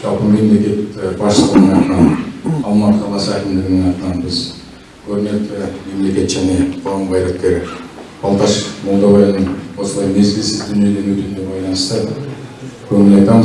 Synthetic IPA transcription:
ʒɑpənme̞mle̞kʲe̞t̪bɑɾʃəlˠnenɑt̪nɑnɑlˠmɑt̪qʰɑlˠɑsəækʲɪmd̪eɾɪnenɑt̪nɑnbɪz | kʲʰɵɾnet̪ːɪme̞mle̞kʲe̞t̪ʒæne̞bʰoɾɑmbɑjɾek̚t̪ːeɾɪ | ɑlˠt̪ɑʃmolˠd̪ɑʁɑjɑnəɴosəlˠɑjne̞zɡʲɪlsɪzd̪ynijed̪enɵt̪ynd̪e̞bɑjlˠɑnəʃt̪ə | kʲʰɵŋɪlɑjt̪ɑm

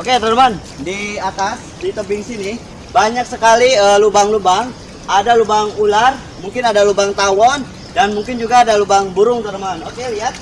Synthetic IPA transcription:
oket̪əɾəman | diat̪as | dit̪əbɪŋsinɪ | baɲak̚səkaliəlubaŋlubaŋ | ʔadalubaŋular | muŋkɪnadalubaŋt̪awɔn | danmuŋkɪnd͡ʒuɡaːdalubaŋbuɾʊŋt̪ərɾəmanokeliat̪̚

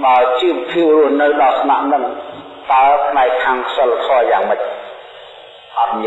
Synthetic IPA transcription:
ɓaət͡ɕiːppʰiəp̚ruəhnɨwɗɑsnaʔnɨŋ | t̪aəpʰnaɛkʰːaːŋsəlːakʰɑːjaːŋməc̚ | ʔɑt̪̚miə

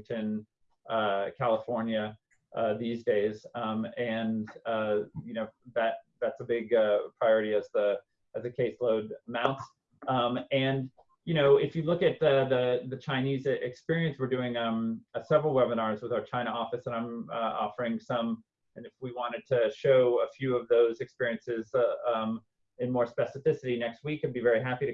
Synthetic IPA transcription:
tʰɨ̃n | ʔʌkʰælˠəfɔɹnjɨ | ʔʌðizdeɪzʌ̃mɨ̃nʌjɨnoʊðæt̪̚ðætsəbɪɡʌpʰɹ̥aɪɔɹɨɾiɨzðə | ɨzðɨkʰeɪsloʊdəmãʊ̃nts | ʌ̃mɨ̃n | jɨñoʊɪfjɨlʊkɨt̪̚ʌððɨt͡ʃʰãɪ̃nizɪkspɪɹiɨ̃nswɨɹdʉɪ̃ŋʌ̃məsɛvɹl̩ˠwɛbənɑɹzwəðaʊə˞t͡ʃʰãɪ̃ñəɔfɨsə̃ñãɪ̃mʌɔ̰fə˞ɪ̃ŋsʌ̃m | ɨ̃nɨfwiwɑ̃ɾ̃ɨd̚tʰɨʃoʊəfjʉʌvðoʊzɨkspɪɹiɨ̃nsɪzʌ̃m | ɨ̃nmɔɹspɛsɨfɪsɨɾinɛkst̚wikɨbivɛɹiɦæpiɾɨ

